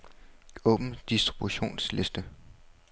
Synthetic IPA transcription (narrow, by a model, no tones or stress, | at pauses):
ɔ̽ːb̥n̩d̥isd̥ʁib̥uɕo̝̰ːnsle̝sd̥ə